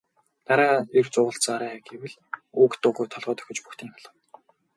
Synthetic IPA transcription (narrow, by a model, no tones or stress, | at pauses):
t̪aɾaːert͡sʊːʁə̆ɬt͡saːɾæːɡewɘ̆ɮ | uːkt̪ʊːɣujt̪ʰɔɮʁɔːt̪œ̥xʲɪ̆t͡ɕpuxt̪ʰiːŋmə̆ɮə̆w